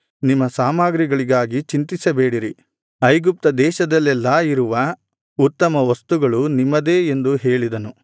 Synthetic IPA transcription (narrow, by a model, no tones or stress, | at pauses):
nimːɐsaːmaːɡɾiɡɐɭiɡaːɡit͡ʃint̪isɐbeːɽiɾi | ɐjɡup̚t̪ɐd̪ɛːʃɐd̪ɐlːɛlːɐiɾuʋɐ | ut̪ːɐmɐʋɐst̪uɡɐɭunimːɐd̪e̞ːend̪uɦe̞ːɭid̪ɐnu